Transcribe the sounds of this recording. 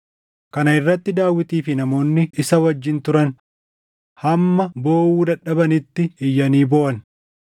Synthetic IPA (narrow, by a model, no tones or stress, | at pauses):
kɐnɐɪrːɐt̪ːɪd̪aːwːɪt̪iːfɪnɐmo̞ːnːɪɪsɐwɐd͡ʒːɪnt̪ʊɾɐn | hɐmːɐbo̞ːwuːd̪ɐᶑɐbɐnɪt̪ːɪɪjːɐniːboːʔɐn